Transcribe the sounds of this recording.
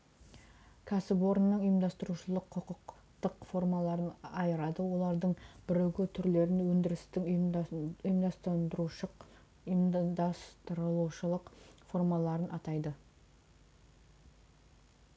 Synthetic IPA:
kʲʰæsɪpo̞ɾənːəɴəjəmd̪ɑst̪əɾuʃəlˠəqʰːʊqəq | t̪əqfo̞rmɑlˠɑɾənɑjəɾɑd̪əwo̞lˠɑɾd̪əɴbɪɾewɡʲɪt̪ʰʏɾle̞ɾɪnwɵnd̪ɪɾɪst̪ɪŋ | ʊjəmd̪ɑst̪nd̪ɾuʃəq | md̪ɑst̪əɾəlˠuʃəlˠəqfo̞rmɑlˠɑɾənʔɑt̪ɑjd̪ə

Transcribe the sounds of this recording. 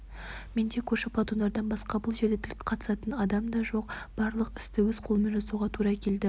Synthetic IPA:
me̞nd̪ekʲʰɵʃɪpʰɑt̪und̪ɑɾd̪ɑnbɑsqɑbʊlˠʒe̞ɾd̪et̪ʰɪlkʲqʰɑt̪ə̥sɑt̪ənɑd̪ɑmd̪ɑʒo̞q̚b̥ɑɾlˠəqɪ̥st̪ɪwɵz̥qʰo̞lˠme̞nʒɑsuʁɑt̪ʰuɾɑkʲʰe̞ld̪ɪ

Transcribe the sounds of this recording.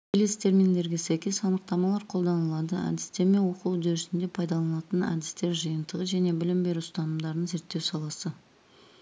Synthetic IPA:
kʲʰe̞le̞st̪e̞ɾmind̪e̞ɾɡʲesæjkʲe̞sɑnəq̚t̪ɑmɑlˠɑɾqʰo̞lˠd̪ɑnəlˠɑd̪əæ̰d̪ɪst̪e̞ɾme̞nwo̞qud̪eɾɪsɪnd̪e̞pʰɑjd̪ɑlˠɑnəlˠɑt̪ənæ̰d̪ɪst̪e̞ɾʒəjənd̪əʁəʒæne̞bɪlɪmbe̞ɾuʊst̪ɑnəmd̪ɑɾənze̞ɾt̪ːe̞wsɑlˠɑsə

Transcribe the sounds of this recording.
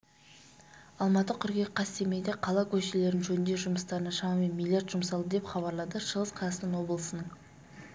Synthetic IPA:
ɑlˠmɑt̪əkʲʰʏɾɡʲe̞qʰɑst̪eme̞d̪eqʰɑlˠɑkʲʰɵʃele̞ɾɪnʒɵnnd̪eʒʊməst̪ɑɾənɑʃɑmɑme̞nmʲilʲjart̪ʒ̥ʊmsɑlˠd̪əd̪e̞pχɑβɑɾlˠɑd̪əʃəʁəsqʰɑɑsənəŋwo̞blˠəsənəɴ

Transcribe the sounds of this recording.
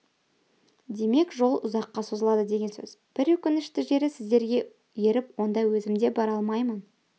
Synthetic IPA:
d̪e̞me̞kʒo̞lˠʊzɑqːɑso̞zəlˠɑd̪əd̪e̞ɡʲe̞nsɵ̰z̥b̥ɪɾɵkʲɪnɪʃt̪ɪʒe̞ɾɪsɪzd̪e̞ɾɡʲe̞ | je̞ɾɪpwo̞nd̪ɑwɵzɪmd̪e̞bɑɾɑlˠmɑjmən

